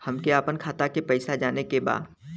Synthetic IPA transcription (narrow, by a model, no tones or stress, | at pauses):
hɐmkeaːpənkʰaːt̪akepɛɪsad͡ʒaːnekeba̰ːd̪